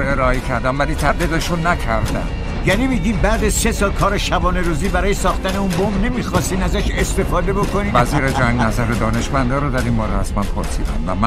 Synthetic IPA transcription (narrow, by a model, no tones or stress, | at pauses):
eɾɒːecʰæɾd̪æmvæliːt̪ʰæbd̪iːd̪eʃunːækʰæɾd̪æ̰n | jænimiːɟiːmbæːd̪æzse̞sɒːlkʰɒːɾeʃæbɒːneɾuːziːbæɾɒːjesɒːxt̪æne̞unbombne̞miːxɒːst̪iːnæzæʃe̞st̪e̞fɒːd̪e̞bo̞kʰo̞niːvæziːɾed͡ʒæŋɡnæzæɾed̪ɒːne̞ʃmænd̪ɒːɾod̪æɾinbɒːɾehæsmænpʰo̰ɾsḭːd̪æ̰mvæ̰mæ